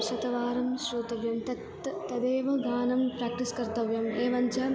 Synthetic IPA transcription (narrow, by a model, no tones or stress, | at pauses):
ʃɐt̪ɐʋaːɾɐmʃɾuːt̪ɐʋjɐmt̪ɐt̪ːɐd̪eːʋɐɡaːnɐmpɾaːk̚ʈiskɐɾt̪ɐʋjɐmeːʋɐnt͡ʃɐ